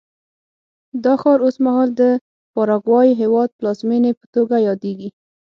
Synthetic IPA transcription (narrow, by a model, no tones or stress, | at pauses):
d̪ɑxɑɾosmaɦɑld̪ə | pɑɾɑɡwɑjiɦewɑd̪̚plɑzmenepə̥t̪oɡajɑd̪eɡi